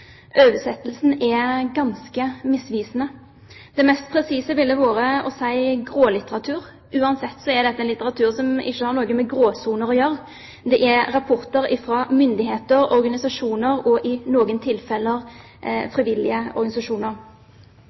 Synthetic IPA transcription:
ʔøːʋəsɛt̪ːlsn̩ɛɡɑnskəmɪsʋiːsənə | d̪̥ɛmɛst̪̚pʰɾɛsiːsəʋɪld̪əʋoːɾəɔsæɪɡɾoːlɪt̪əɾɑt̪ʰʉːɾ | ʉːɑnsɛt̪ːsɔɛɾd̪ɛt̪ːəɛnlɪt̪ːəɾɑt̪ʰʉːʁsɔmɪ̰çːəhɑɾnɔːɡəmɛɡɾoːsuːnəɾɔjœɾ | d̪ɛʔɛɾɑpʰɔɾt̪əɾɪfɾɑmʏnd̪ɪheːt̪əɾɔɾɡɑnɪsɑʂuːnəɾɔʔɪnoːɡənt̪ʰɪlfɛlːəʁ | fɾɪʋɪlɪəɔ̰ɾɡɑnɪsɑʂuːnəɾ

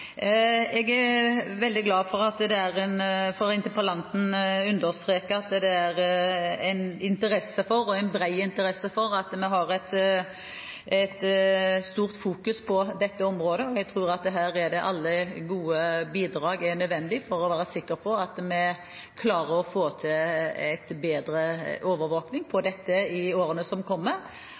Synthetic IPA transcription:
ɛɡæɾʋɛld̪ɪɡlɑːfɔɾɑt̪d̪ɛæɾɛnfɔɾɪnt̪əpɑlɑnt̪n̩ʉnd̪əɾst̪ɾeːkəɑt̪d̪ɛæɾæɪnɪnt̪əɾɛsːəfɔɾɔæɪnbɾæɪɪnt̪əɾɛsːəfɔɾɑt̪mɛɦɑɾɛt̪ | ɛt̪st̪uːʁt̪fuːkʉspʰɔd̪ɛt̪ːəɔmɾoːd̪əɔɛɡt̪ʰɾuːɾɑt̪̚d̪ɛɦæːɾæɖ̪ɛʔɑlːəɡuːəbiːd̪ɾɑːɡænœd̪ʋɛnd̪ɪfɔɾɔʋæːɾəsɪkːəɾpʰɔɑt̪mɛ | kʰlɑːɾəɾɔfoːt̪ʰɪlæɪt̪beːd̪ɾəʔoːʋəɾʋoːknɪŋpʰɔd̪ɛt̪ːəɪoːɾənəsɔmkʰɔmːəɾ

